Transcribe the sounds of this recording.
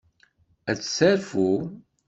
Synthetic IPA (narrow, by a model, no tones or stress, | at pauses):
æt͡sːsæɾfu